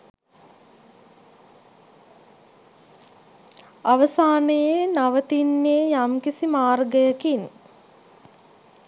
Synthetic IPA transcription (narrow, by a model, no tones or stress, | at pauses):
aʋəsaːnəjenaʋət̪inːeːjamkisimaːrɡəjəkin